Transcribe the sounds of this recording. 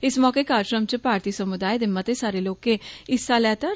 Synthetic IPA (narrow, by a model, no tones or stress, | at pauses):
ɪsmɔːkekaːɾʃɾəmt͡ʃəpaːɾt̪iːsəmʊd̪aːed̪ɪmːət̪esaːɾeloːkẽɪsaːlɛːt̪a